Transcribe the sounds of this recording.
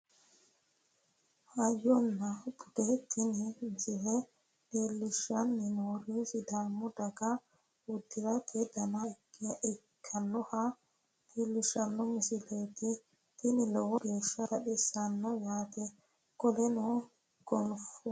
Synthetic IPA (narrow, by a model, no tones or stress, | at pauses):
hɐjɔnːabʊd̪̥et̪ʰɪnɪmɪsɪlɛ | d̪eːlːɪʃːɐnːɪnoːɾisɪd̪aːmːɔd̪ɐɡa | wʊd̪ːɪɾɐt̪ʰed̪ɐnaʔɛkʰːɐnːɔha | t̪elːɪʃɐnːɔmɪsɪlet̪i | t̪ɪnɪlɔwɔdeːʃɐt̪ɐɗɛsɐnːɔjaːt̪ɛ | ɡ̥ɔlɛnɔ | ɡ̥ɔnfu